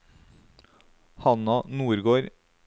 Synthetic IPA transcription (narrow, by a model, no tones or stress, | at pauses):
hɑnɑnuːɾɡoːɾ